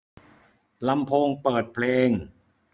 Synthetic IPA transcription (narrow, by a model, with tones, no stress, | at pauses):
la˧mpʰoː˧ŋpɤː˨˩t̪̚pʰleː˧ŋ